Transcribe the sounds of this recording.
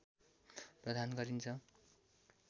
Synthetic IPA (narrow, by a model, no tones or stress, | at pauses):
prʌd̪ʱanɡʌɾint͡sʰʌ